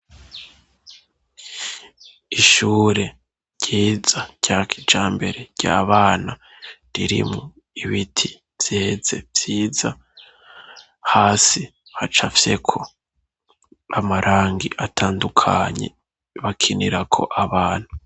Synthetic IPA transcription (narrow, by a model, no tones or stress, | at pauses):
iʃuːɾe̞̥ | ɟ̥iːzaɾ̥ɟ̥akʰi̥d͡ʒaːmbe̞ɾeɾɟ̥a̰ːβaːna | ɾiɾḭmŋo | iβitʰi | vj̥eːze̞vj̥iːza | haːsi | hat͡ʃafse̞kʰo̞ | amaɾʔaːŋɡiʔatʰaːndukʰa̰ɲe̞̰ | βakʰinḭɾakʰo̞̰ʔaβaːn̥hu